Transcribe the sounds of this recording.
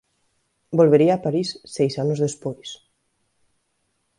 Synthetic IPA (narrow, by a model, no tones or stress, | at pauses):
bolβeɾiaːpaɾisːejsanʊzðespojs